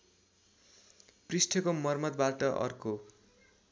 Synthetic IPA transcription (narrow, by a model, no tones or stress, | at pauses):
prisʈʰʌkomʌrmʌd̪baʈʌʔʌ̰rko